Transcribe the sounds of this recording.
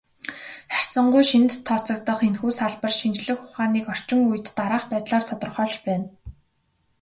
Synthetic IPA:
χar̥ʲsə̆ɴɢʊjʃint̪ʰːɔt͡sɞ̆k̚t̪ə̆χenxuːsaɮpə̆rʃint͡ɕɮɘ̆xʊχaːniːkɔr̥t͡ɕɪ̆ŋuj̆t̪ːaɾaːχpæːt̪ɮaːrt̪ʰɔt̪ɞ̆rχɔːɮt͡ɕpæːn

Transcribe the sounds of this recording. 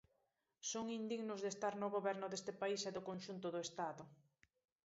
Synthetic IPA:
soŋind̪iɣnʊzðest̪aɾnʊɣoβɛɾnʊðest̪ɪpaisɛðʊkonʃunt̪ʊðʊest̪aðʊ

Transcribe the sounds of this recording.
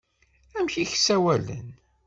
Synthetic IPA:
æmçiçsæwælə̰n

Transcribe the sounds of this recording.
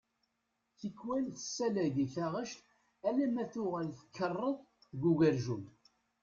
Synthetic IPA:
θəkːwælθə̥sːælæʝiθæʁəʃt̪ | ælæmæθʊʁælθə̥kːərˤːəðˤ | θɡuʝæɾʒum

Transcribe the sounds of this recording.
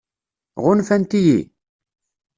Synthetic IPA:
ʁʊnfænt̪ijḭ

